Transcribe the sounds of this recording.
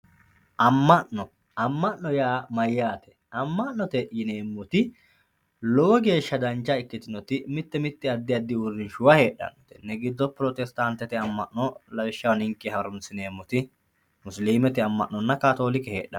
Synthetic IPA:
ʔɐmːɐʔɔ | ɐmːɐʔːɔjaːmɐjːaːt̪ɛ̥ | ɐmːɐʔnːɔt̪ɛjɪne̞ːmːʊt̪ɪ | lɔwɔɡe̞ːʃːɐd̪ɐnt͡ʃːɐɪkːɪt̪ɪnɔt̪ɪmɪt̪ːɛmɪt̪ːɪɐd̪ːɪɐd̪ːɪʊrːɪnʃʊwɐhe̞ːᶑːɐ̰nːɔt̪ɛ̥nɛɡɪd̪ːɔpɾɔt̪ɛst̪ɐnt̪ːɛt̪ɪɐmːɐʔːɔlɐwɪʃːɐwnɪŋkːɛhɐɾʊnsɪneːmːʊt̪ɪ | mʊsliːmɛt̪ɪɐmːɐ̰ʔːɔnːɐkaːt̪o̞ːlɪkɛheːɗɐ̰

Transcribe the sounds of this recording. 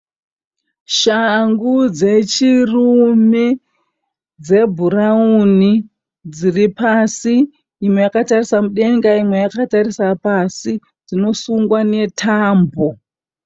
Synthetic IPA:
ʃaŋɡud͡ze̞t͡ʃirume | d͡ze̞bʱurauni | d͡ziripasiː | mwe̞jakatarisamuɗe̞ŋɡaimwe̞jakatarisapasi | d͡zino̞suŋɡwane̞tʰaːmbo

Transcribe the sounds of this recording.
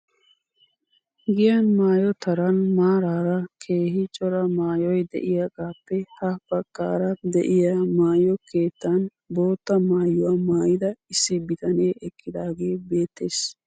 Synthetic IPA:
ɡɪjɐnmaːjɔt̪ɐɾɐnmaːɾaːɾɐkʰe̞ːhɪt͡ʃʼɔɾɐmaːjɔjd̪ɛ̰ʔɪjaɡaːpːɛhɐbɐkːa̰ːɾɐd̪ɛ̰ʔɪjamaːjɔkeːt̪ːan | bo̞ːt̪ːɐmaːjːɔwɐmaːjɪd̪ɐɪsːɪbɪt̪ɐneːʔɛkːɪd̪aːɡe̞ːbe̞ːt̪ːeːs

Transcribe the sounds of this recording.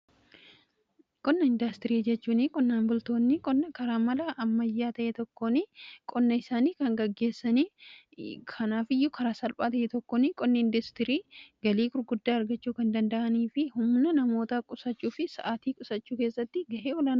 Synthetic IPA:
kʼɔnːɐɪnd̪ɐst̪ɪɾiːd͡ʒɛt͡ʃːuːnɪkʼɔnːaːnbʊlt̪o̞ːnːɪkʼɔnːɐkɐɾaːmɐlɐʔɐmːɐjːaːt̪ɐʔet̪ɔkːoːnɪkʼɔnːɐɪsaːniːkɐŋɡɐɡːe̞ːsːɐniː | kʰɐnaːfɪjːʊkʰɐɾaːsɐlpʼaːt̪ɐʔeːt̪ɔkːoːnɪkʼɔnːɐɪnd̪ɐst̪ɪɾiːɡɐliːkʊɾɡʊd̪ːaːɐɾɡɐt͡ʃːuːkɐnd̪ɐnd̪ɐʔɐniːfɪhʊmnɐnɐmo̞ːt̪aːkʼʊsɐt͡ʃːuːfɪsɐ̰ʔaːt̪iːkʼʊsɐt͡ʃːuːkeːsːɐt̪ːɪɡɐʔeːwɔlaːn

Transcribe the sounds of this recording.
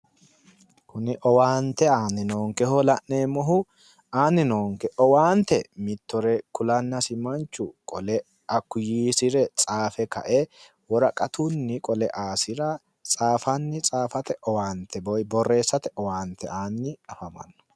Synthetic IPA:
kʊnɪʔɔwaːnt̪ɛaːnɪnoːŋkɛhɔlɐʔneːmɔɦʊ | aːnːɪnoːŋkɛʔɔwaːnt̪ɛmɪt̪ːɔɾɛkʊlɐnːɐsɪmɐnt͡ʃʊkʼɔlɛ | ɐkːʊjiːsɪɾɛt͡sʼaːfɛkɐ̰ʔɛ | wɔɾɐkʼɐt̪ʊnːɪkʼɔlɛʔaːsɪɾɐ | t͡sʼaːfɐnːɪt͡sʼaːfɐt̪ɛʔɔwaːnt̪ʰɛbɔjbɔrːe̞ːsːɐt̪ɛʔɔwaːnt̪ɛ̰aːnːɪɐfɐmɐ̰nːɔ̥

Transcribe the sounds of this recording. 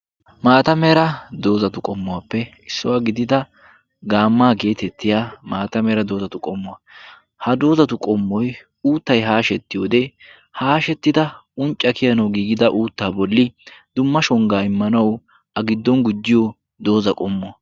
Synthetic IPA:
maːt̪ɐmeːɾɐd̪o̞ːzɐt̪ʊkʼɔmːʊwaːpːɛ | ɪsːʊwaɡɪd̪ɪd̪ɐ | ɡaːmːaːɡe̞ːt̪ɛt̪ːɪjaːmaːt̪ɐmeːɾɐd̪o̞ːzɐt̪ʊkʼɔmːʊɐ | hɐd̪o̞ːzɐt̪ʊkʼɔmːɔj | uːt̪ːɐjɦaːʃɛt̪ːɪjoːd̪ɛ | haːʃɛt̪ːɪd̪ɐʊnt͡ʃʼːɐkɪjɐnɐwɡiːɡɪd̪ɐʔuːt̪ːaːbɔlːɪd̪̥ʊmːɐʃɔŋɡaːɪmːɐnɐw | ɐɡɪd̪ːɔnɡʊd͡ʒːɪjɔ | d̪o̞ːzɐkʼɔmːʊɐ

